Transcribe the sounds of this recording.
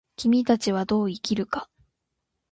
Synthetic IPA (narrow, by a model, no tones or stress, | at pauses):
kʲimʲit̪at͡ɕiβ̞ad̪o̞ːikʲiɾɯ̟kḁ